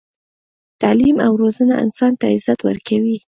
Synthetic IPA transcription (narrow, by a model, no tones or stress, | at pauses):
t̪alimawɾozəna̰ɪ̰nsɑnt̪aɪzat̪wə̰ɾkawi